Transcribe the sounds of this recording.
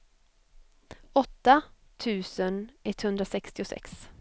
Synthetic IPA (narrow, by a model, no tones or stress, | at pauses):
ɔt̪ːat̪ʰʉ̟ːsənɛt̪hɵnd̪ɾasɛkst̪ɪʊsɛ̰ks